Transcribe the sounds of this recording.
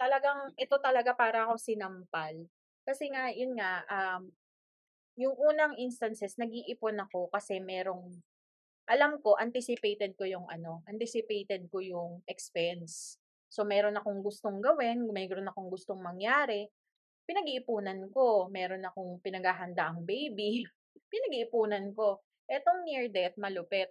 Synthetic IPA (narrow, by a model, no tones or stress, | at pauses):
t̪ɐlɐɡaŋʔɛt̪o̞t̪ɐlɐɡapaːɾɐɐko̞sɪnɐmpal | kɐsɛŋajʊnŋaʔam | jʊŋʔuːnɐŋʔinst̪ɐnsɛsnɐɡiʔɪponɐko̞kɐsɛmɛːɾo̞ŋ | ʔɐlamko̞ʔɐnt̪isɪpejt̪ɛd̪̚ko̞jʊŋɐ̰no̞ʔɐnt̪ɪsɪpejt̪ɛd̪̚ko̞jʊŋʔɛkspɛnsː | o̞mɛːɾo̞nɐko̞ŋɡʊst̪o̞ŋɡɐwɪnmɛɾonɐko̞ŋɡʊst̪o̞ŋmɐŋjaːɾɛ | pɪnɐɡiʔɪpuːnɐnko̞mɛːɾo̞nɐko̞ŋpɪnɐɡaːɦɐnd̪aʔɐŋbejbi | pɪnɐɡiʔɪpuːnɐnko̞ | ʔɛt̪o̞ŋniɹd̪ɛt̪̚mɐlʊpɛt̪̚